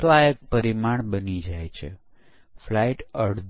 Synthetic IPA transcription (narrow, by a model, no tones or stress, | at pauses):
laek̚pəɾimaɳbənid͡ʒajt͡ʃʰḛ | flaiʈəɽd̪